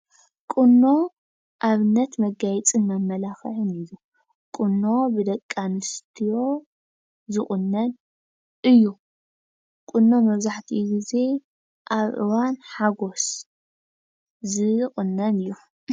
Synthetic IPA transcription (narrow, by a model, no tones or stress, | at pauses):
kʼɨnːo̞ | ʔaβɨnːɐt̪mɐɡajt͡sʼɨnmɐmːɐlaxɨʕɨniju | kʼɨnːo̞bɨd̪ɐkʼːanɨst̪ʰijo̞ | zɨχʼɨnːɐn | ʔɨjːu | kʼʊnːo̞mɐβzaħt̪ʰiɡize̞ | ʔaβʔɨ̰wanħaɡo̞s | zɨχʼɨnːɐnɨjːu